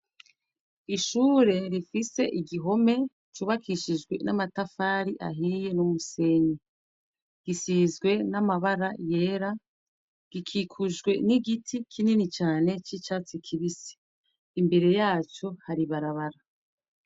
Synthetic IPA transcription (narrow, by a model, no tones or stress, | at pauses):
iʃuːɾe̞ɾifise̞ʔiɡiɦo̞me̞ | t͡ʃuːβakʰiʃid͡ʒɡwe̞̰namatafaːɾiʔa̰ɦije̞numuse̞ɲi | ɡ̥isizɡwe̞namaβaɾaje̞ːɾa | ɡ̥ikʰiːkʰuʒɡwe̞niɡitʰikʰininit͡ʃaːne̞t͡ʃit͡ʃaːt͡sikʰiβisi̥ː | mbe̞ɾe̞jaːt͡ʃo̞haɾiβaɾaβaɾa